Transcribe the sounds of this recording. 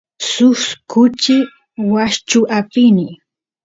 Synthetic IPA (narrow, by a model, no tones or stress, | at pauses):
sʊskʊt͡ʃɪ | waʃt͡ʃʊʔapɪnɪ